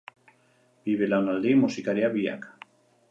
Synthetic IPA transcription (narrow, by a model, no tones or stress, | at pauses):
b̥iβelawnald̪imusikaɾjaβia̰kḁ